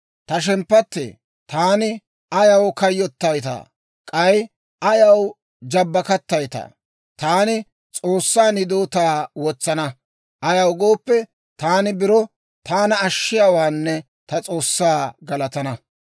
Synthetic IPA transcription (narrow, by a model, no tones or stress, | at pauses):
t̪ɐʃ̬ɛmpːɐt̪ːḛː | t̪aːnɪ | ɐjɐwkɐjːɔt̪ːɐjt̪a̰ː | kʼɐj | ʔɐjɐw | d͡ʒɐbːɐkɐt̪ːɐjt̪a̰ː | t̪aːnɪ | t͡sʼoːsːaːnɪd̪oːt̪aːwɔt͡sːɐnɐ | ʔɐjɐwɡo̞ːpːɛ | t̪aːnɪbɪɾɔ | t̪aːnɐːʃːɪjaːwaːnːɛ | t̪ɐt͡sʼo̞ːsːaːɡɐlɐt̪ɐnɐ